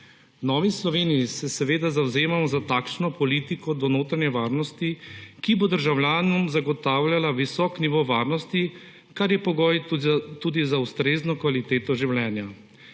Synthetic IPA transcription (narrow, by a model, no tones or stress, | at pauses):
nɔːʋislɔʋeːnijisɛsɛʋeːd̪azawzeːmamɔzat̪aːkʃnɔpɔliːt̪ikɔd̪ɔnoːt̪ɾanjɛʋaːɾnɔst̪ikibod̪əɾʒawlʲjaːnɔmzaɡɔt̪aːwlʲalaʋisɔːkniʋoʋaːɾnɔst̪i | kaɾjɛpɔɡɔːjt̪uːd̪izaust̪ɾeːznɔkʋalit̪eːt̪ɔʒiwlʲɛːnja